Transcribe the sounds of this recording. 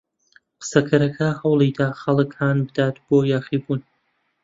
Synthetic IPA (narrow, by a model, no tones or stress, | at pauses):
qɨ̥sɐkʰɐɾɐkʰɐhɐwlˠid̪aːxɐlˠɨkhaːnbɨd̪aːt̪b̥oːjaːχiːbuːn